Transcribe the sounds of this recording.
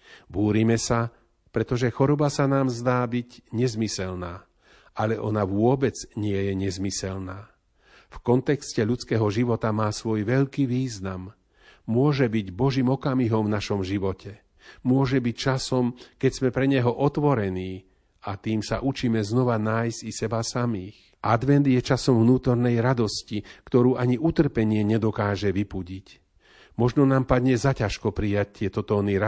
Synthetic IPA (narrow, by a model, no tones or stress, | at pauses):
buːɾimɛsa | pɾɛt̪ɔʒɛxɔɾɔbasanaːmzd̪aːbiɟɲɛzmisɛlnaː | ʔalɛʔɔnaʋʊɔbɛd͡zɲɪɛjɛɲɛzmisɛlnaː | fkɔnt̪ɛkscɛʎut͡skɛːɦɔʒiʋɔt̪amaːsʋɔjʋɛʎkiːʋiːznamː | ʊɔʒɛbiɟbɔʒiːmɔkamiɦɔmvnaʃɔmʒiʋɔcɛ | mʊɔʒɛbict͡ʃasɔmkɛɟz̥mɛpɾɛɲɛɦɔʔɔt̪ʋɔɾɛniː | at̪iːmsaʔut͡ʃiːmɛznɔʋanaːjzɟisɛbasamiːx | ʔad̪ʋɛnd̪jɛt͡ʃasɔmvnuːt̪ɔɾnɛjɾad̪ɔscikt̪ɔɾuːʔaɲiʔut̪r̩pɛɲɪɛɲɛd̪ɔkaːʒɛʋipuɟic | mɔʒnɔnaːmpad̪ɲɛzacaʃkɔpɾijact̪ɪɛt̪ɔt̪ɔːniɾa